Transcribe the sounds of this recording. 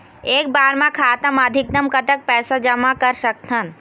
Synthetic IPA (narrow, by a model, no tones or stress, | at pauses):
eːk̚baːɾmãkʰaːt̪əməd̪ʱɪk̚d̪əmkɐt̪ək̚pɛːsad͡ʒɐmakɐɾsɐk̚t̪ʰən